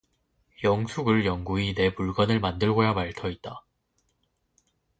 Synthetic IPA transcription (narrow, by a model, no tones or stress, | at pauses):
jʌŋsʰuɡɯɭjʌŋɡuine̞puɭɡwanɯɭmandɯɭɡojamaɭtʰʌit̚t͈a